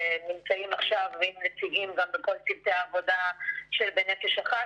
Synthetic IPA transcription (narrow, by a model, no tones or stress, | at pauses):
enimt͡saimaχʃavveimnet͡siɡimɡambeko̞ltivt̪eaːvo̞daʃelbenefeʃaχa